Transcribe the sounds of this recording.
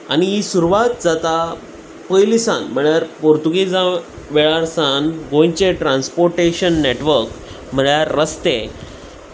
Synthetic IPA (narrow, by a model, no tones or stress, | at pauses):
aniɦisuɾuʋat̪̚d͡zat̪a | pəjlisanm̤əɭjaɾpoɾt̪uɡid͡zã | ʋeɭaɾsãnɡõjt͡ɕeʈɾãnspoɾʈeɕənːeʈʋəɾk | m̤əɭjaɾːəst̪e